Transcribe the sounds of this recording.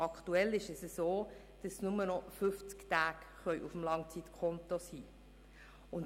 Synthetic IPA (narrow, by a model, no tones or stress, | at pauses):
ɑktuɛlɪʃɛsəsoː | d̥ɑsnʊmənɔfʏft͡sktaːɡ | χœʏʔufm̩lɑŋt͡sit̪kʰɔntosiː | ʊn